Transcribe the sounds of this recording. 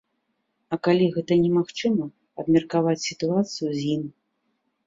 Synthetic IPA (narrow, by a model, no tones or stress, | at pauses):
ɐkalʲiɣɛt̪ɐnʲɛmaxt͡ʂɨmɐ | ɐbmʲɛrkavat͡sʲsʲit̪uat̪sɨjuzʲim